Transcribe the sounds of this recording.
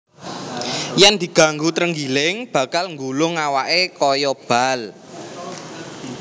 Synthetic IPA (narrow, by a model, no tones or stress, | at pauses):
jɛnd̪̥i̤ɡ̥a̤ŋɡut̪ɾəŋɡilɪŋb̥ä̤kalŋɡulʊŋawaʔekɔjɔb̥a̤l